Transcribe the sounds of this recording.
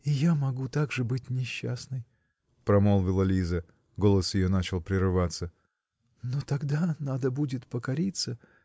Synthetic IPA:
ɪjamɐɡut̪aɡʐɨbɨt̚ʲnʲɪɕːasnɨj | pɾɐmolˠvʲɪlˠəlʲizə | ɡo̞lˠəsjɪjonat͡ɕɪlˠpɾʲɪɾɨvat̪sə | not̪ɐɡd̪anad̪əbudʲɪt̪pəkɐɾʲit̪sə

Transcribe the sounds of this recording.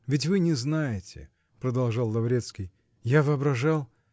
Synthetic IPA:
vʲɪt̬ʲvɨnʲɪznajɪtʲɪ̰ | pɾəd̪ɐlˠʐalˠːɐvɾʲet̪skʲɪj | javɨɐbɾɐʐalˠ

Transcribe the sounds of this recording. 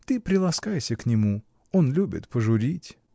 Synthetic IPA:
t̪ɨpɾʲɪlˠɐskajsʲəknʲɪmu | onlʲubʲɪ̰t̪pəʐʊɾʲitʲ

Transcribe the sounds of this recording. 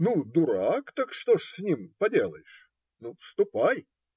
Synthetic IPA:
nud̪ʊɾakt̪akʂt̪oʂsʲnʲimpɐdʲe̞lˠəjɪʂ | nufst̪ʊpaj

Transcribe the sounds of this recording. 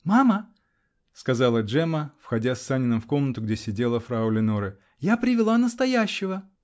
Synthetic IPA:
mamə | skɐzɑlˠəʐɛməfxɐdʲasʲːanʲɪnəmfko̞mnət̪ʊɡdʲesʲɪdʲe̞lˠəfɾaʊlʲɪnoɾɨ | japɾʲɪvʲɪlˠanəst̪ɐjæɕːɪvə

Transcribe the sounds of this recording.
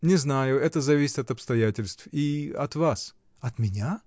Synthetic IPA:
nʲɪznajʊɛt̪əzɐvʲisʲɪt̪ɐt̪ɐpst̪ɐjatʲɪlʲst̪fiɐ̰t̪vas | ɐt̪mʲɪnʲa

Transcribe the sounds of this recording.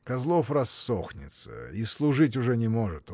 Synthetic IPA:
kɐzlˠofrɐsːoxnʲɪt̪sə̰islˠʊʐɨt̬ʲʊʐɛnʲɪmo̞ʐɨt̪

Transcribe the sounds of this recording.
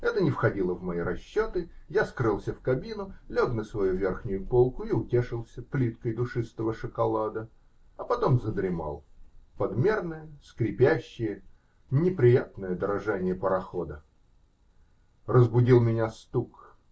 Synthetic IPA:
ɛt̪ənʲɪfxɐdʲilˠəvmɐiɾɐɕːo̞t̪ɨjaskɾɨlˠsʲəfkɐbʲinʊlʲoknəsvɐjuvʲe̞rxnʲʊjʊpo̞lˠkʊiʊtʲeʂɨlˠsʲəplʲit̪kəjd̪ʊʂɨst̪əvəʂɨkɐlˠad̪ə | ɐpɐt̪o̞mzəd̪ɾʲɪma̰lˠpɐd̪mʲe̞rnəjəskɾʲɪpʲæɕːɪjə | nʲɪpɾʲɪjat̪nəjəd̪əɾɐʐanʲɪjəpəɾɐxo̞d̪ə | rəzbʊdʲilˠmʲɪnʲast̪uk

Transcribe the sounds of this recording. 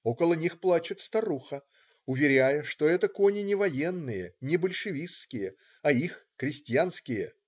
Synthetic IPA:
okəlˠənʲixplˠat͡ɕɪt̪st̪ɐɾuxə | ʊvʲɪɾʲæjəʂt̪o̞ɛt̪əkonʲɪnʲɪvɐjenːɨjənʲɪbəlʲʂɨvʲisːkʲɪjə | ɐixkɾʲɪsʲtʲjanskʲɪjə

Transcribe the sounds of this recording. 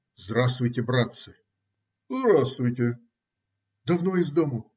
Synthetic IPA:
zd̪ɾast̪vʊjtʲɪbɾat̪sɨ | zd̪ɾast̪vʊjtʲe | d̪ɐvnoɪzd̪omə

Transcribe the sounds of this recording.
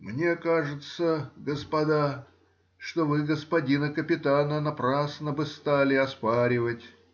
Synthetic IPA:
mnʲe̞kaʐɨt̪səɡəspɐd̪a | ʂt̪ovɨɡəspɐdʲinəkəpʲɪt̪anənɐpɾasnəbɨst̪alʲɪɐspaɾʲɪvətʲ

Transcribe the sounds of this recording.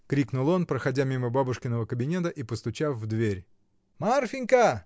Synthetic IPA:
kɾʲiknʊlˠo̞npɾəxɐdʲamʲiməbabʊʂkʲɪnəvəkəbʲɪnʲe̞t̪̬əʔipəst̪ʊt͡ɕafvd̪vʲeɾʲ | marfʲɪnʲkə

